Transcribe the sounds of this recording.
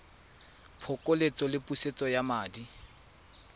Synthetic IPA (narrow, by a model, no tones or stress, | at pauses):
pʰʊkʼolet͡sʼɔlɪpʼuset͡sʼɔjamaːdi